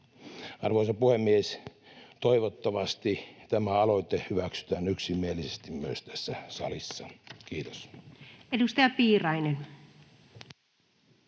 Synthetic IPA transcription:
ɑrʋoˑisɑpuhemːiest̪oiʋot̪ːɑʋɑst̪it̪æmæɑloit̪ehyʋæksy̥t̪æːnyksimːielisest̪immyø̰st̪æsːæsɑ̰lisːɑkiːt̪o̥s | edust̪ɑjɑpiːrɑjnen

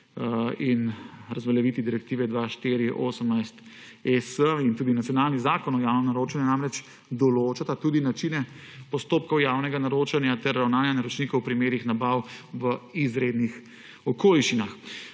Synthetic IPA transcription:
inɾazʋaljɛʋit̪id̪iɾɛk̚t̪iːʋɛd̪ʋaːʃt̪iɾiʔoːsəmnajst̪ | ɛsəint̪uːd̪inat̪sjɔnaːlnizaːkɔnɔjaːwnɔnaɾoːt͡ʃanjanamɾɛt͡ʃ | d̪ɔloːt͡ʃat̪at̪uːd̪inat͡ʃinɛ | pɔst̪oːp̚kɔwjaːwnɛɡanaɾoːt͡ʃanjat̪ɛɾːawnaːnjanaɾɔt͡ʃnikɔwpɾimeːɾixnabawʋəizɾed̪nix | ɔkoːliʃt͡ʃinax

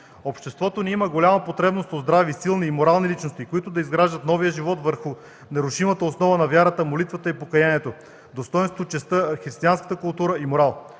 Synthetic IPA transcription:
opʃt̪ɛst̪vɔt̪oniiməɡolʲamɐpot̪ɾɛbnost̪ozd̪ɾavisilˠniːmoɾalˠnilit͡ʃnost̪ikoit̪ʊd̪ɐizɡɾaʒd̪ət̪nɔvijəʒivɔt̪vəɾxʊ | nɐɾʊʃimət̪əosnɔvənɐvʲjaɾət̪əmolit̪vət̪əipokɐjaniɛt̪o | d̪ost̪ɔɛ̃nst̪vot͡ʃɛst̪əxɾist̪ianskə̥t̪əkʊlˠt̪uɾəimoɾalˠ

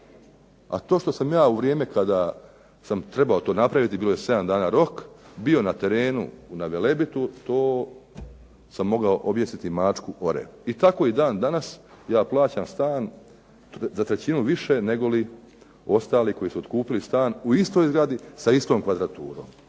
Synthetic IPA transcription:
a̰t̪o̞ːʃt̪osamjaːuʋɾje̞ːmekad̪a | samt̪ɾe̞bao̞t̪o̞ːnapɾaʋit̪ibiːlojese̞d̪amd̪aːnaɾo̞kbio̞nat̪e̞ɾe̞ːnṵnaʋele̞bit̪ut̪o̞ː | samːo̞ɡaoʔobjesit̪imat͡ʂkuʔo̞ɾḛit̪ako̞id̪aːnd̪anas | jaːplˠaːt͡ɕaːmst̪aːn | zat̪ɾe̞t͡ɕinuʋiʃene̞ɡo̞li | o̞st̪aːliko̞jisuod̪̥kuːpilist̪aːnuist̪o̞jzɡɾad̪isaist̪o̞ːmkʋad̪ɾat̪uːɾo̞̰ːm

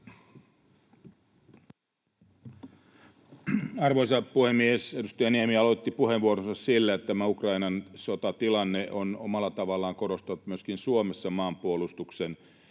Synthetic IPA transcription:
ɑrʋoisɑpuhemːiesedust̪ɑjɑniemiɑlot̪ːipuheʋʋuoɾonsɑssilːæet̪t̪æmæukrɑinɑnsot̪ɑt̪ilɑnːeʔonomɑlːˑɑt̪ɑʋɑlːɑːŋkoɾost̪ɑnut̪myøskinsuomesːɑmɑːmpuolust̪uksen

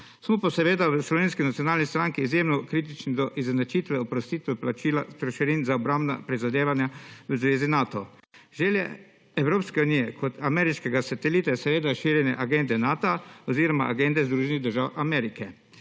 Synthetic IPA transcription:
smɔpasɛʋeːd̪aʋəslɔʋeːnskinat̪ijɔnaːlnist̪ɾaŋkiːzjeːmnɔkɾiːt̪̬it͡ʃnid̪ɔʔiznat͡ʃit̪ʋɛɔpɾɔst̪it̪ʋɛplat͡ʃilast̪ɾɔʃɛɾiːnzaɔbɾambna̰pɾizad̪eːʋanjaʋəzʋeːzinaːt̪ɔ | ʒɛːljɛ̰ | ɛwɾoːpskɛuniːjɛkʰɔt̪ʰamɛːɾiʃkɛɡasat̪ɛliːt̪asɛʋeːd̪aʃiːɾjɛnɛʔaɡend̪ɛnaːt̪oaɔziːɾɔmaʔaɡend̪ɛzd̪ɾuːʒɛniɣd̪əɾʒawamɛːɾikɛ

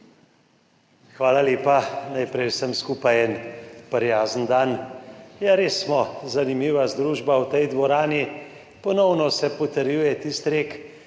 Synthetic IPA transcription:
xʋaːlaleːpanajpɾɛjwsəmskuːpajɛnpəɾjaːzənd̪anjaɾeːsːmɔzanimiːʋazd̪ɾuːʒbawt̪ɛjd̪ʋɔɾaːni | pɔnɔwnɔsɛpɔt̪əɾjuːjɛt̪ist̪ɾeːk

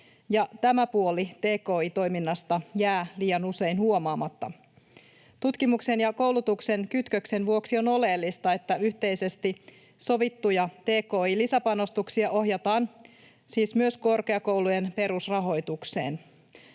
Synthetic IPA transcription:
jɑt̪æmæpuolit̪e̞ːko̞ːit̪o̞jminːɑst̪ɑjæːliːjɑnuse̞inhuomɑːmɑt̪ːɑ̰ | t̪ut̪kimukse̞njɑko̞wlut̪ukse̞nkyt̪køkse̞nʋuoksio̞no̞le̞ːlːist̪ɑe̞t̪ːæyçt̪e̞jse̞st̪i | so̞ʋit̪ːujɑt̪e̞ːko̞ːilisæpɑno̞st̪uksiɑʔo̞ɦjɑt̪ɑːn | siːsmyøsko̞rke̞ɑko̞wlujenpe̞ɾusrɑɦo̞jt̪ukse̞̰ːn

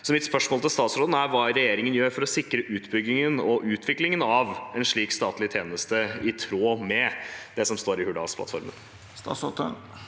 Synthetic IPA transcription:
sɔmɪt̪spœʂmoːlt̪ʰɪlst̪ɑːt̪sɾoːd̪n̩æɾʋɑːɾɛjeːɾɪŋənjøːɾfɔɾɔsɪkɾəʔʉːt̪bʏɡːɪŋənɔʔʉːt̪ʰʋɪklɪŋənɑʋɛnʂɭiːkst̪ɑːt̪lɪt̪ʰjeːnəst̪əɪt̪ʰɾoːmɛd̪̥ɛsɔmst̪oːɾɪhʉɖɑ̰ːspʰlɑ̰t̪fɔ̰ɾmə̰n | st̪ɑ̰sot̪ə

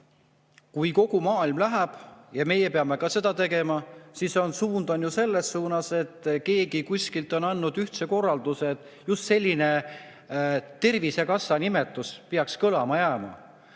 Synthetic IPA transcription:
kujko̞ɡ̥umɑːilmlæɦæb̥jɑme̞jepeɑme̞kɑse̞d̪̥ɑt̪e̞ɡe̞mɑsiso̞nsuːnd̪o̞njuse̞lːesːuːnɑse̞t̪ːˑke̞ːɡikusʲkilt̪ˑo̞nɑnːud̪̥yht̪se̞ko̞rːɑld̪̥useːt̪ˑjust̪se̞lʲːine̞ | t̪e̞rvise̞kɑsːɑnime̞t̪ːˑuspeɑkskɤlɑmɑjæːmɑ̰

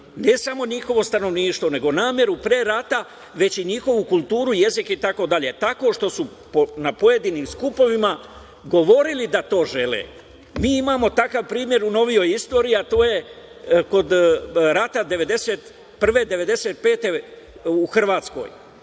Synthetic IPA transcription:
ne̞samo̞ɲixo̞ʋo̞st̪ano̞ʋniːʃt̪ʋo̞ne̞ɡo̞naːmje̞ɾupɾeɾat̪a | ʋe̞t͡ɕiɲixo̞ʋukulˠt̪uːɾuje̞zikit̪ako̞d̪aʎe̞t̪ako̞ʃt̪o̞su | ponapo̞je̞d̪iniːmskupo̞ʋima | ɡo̞ʋo̞ɾilid̪at̪o̞ːʒe̞lḛː | miːimaːmo̞t̪akaʋpɾiːmje̞ɾuno̞ʋijo̞jist̪o̞ːɾiiat̪o̞ːje̞ | ko̞d̪ɾat̪ad̪e̞ʋe̞d̪e̞set̪ | pr̩ʋe̞d̪e̞ʋe̞d̪e̞se̞t̪̚pe̞ːt̪e̞ | uxr̩ʋaːt̪sko̞̰j

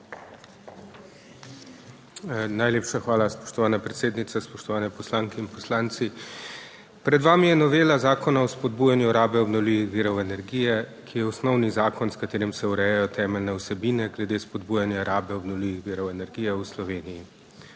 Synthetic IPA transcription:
najleːpʃaxʋaːlaspɔ̥ʃt̪ɔʋaːnapɾɛt̪seːd̪nit̪saspɔʃt̪ɔʋaːnɛpɔslaːŋkɛinpɔslaːnt̪si | pɾɛd̪ʋaːmijɛnɔʋeːlazaːkɔnaɔspɔd̪̚bujanjuɾaːbɛɔbnɔwliʋixʋiːɾɔwɛnɛɾɡijɛkʰijɛɔsnɔwnizaːkɔnskat̪eːɾimsɛuɾɛjajɔt̪ʰɛːmɛlnɛɔsɛbiːnɛɡlɛd̪eːspɔd̪buːjanjaɾaːbɛɔbnɔwliʋixʋiːɾɔwɛnɛɾɡiːjɛuslɔʋeːniji

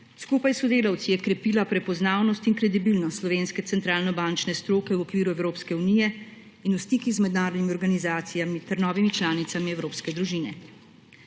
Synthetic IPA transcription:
skuːpajsɔd̪eːlawt̪sijɛkɾɛpiːlapɾɛpɔznaːwnɔst̪inkɾɛd̪ibilnɔt̪slɔʋeːnskɛt̪sɛnt̪ɾaːlnɔbant͡ʃnɛst̪ɾoːkɛwɔkʋiːɾuɛwɾoːpskɛunijɛ | inust̪ikizmɛd̪naːɾɔd̪nimiɔɾɡanizaːt̪sijamit̪ɛɾnɔːʋimit͡ʃlaːnit̪samiɛwɾoːpskɛd̪ɾuʒiːnɛ

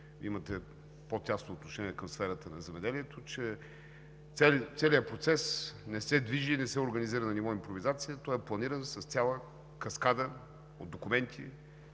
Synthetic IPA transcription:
viimət̪ɛ | pot̪ʲjasnoːt̪noʃɛniɛkəmsfɛɾət̪ənɐzɛmɛd̪ɛliɛt̪ʰot͡ʃɛ | ɛlt̪sɛliəpɾot̪sɛsnɛsɛd̪viʒiːnɛsɛoɾɡəniziɾənɐnivɔimpɾovizat̪sijət̪ɔjɛplˠɐniɾənsɐst̪sʲjalˠə | kɐskad̪ə | o̰d̪̚d̪okumɛnt̪ʰḭ

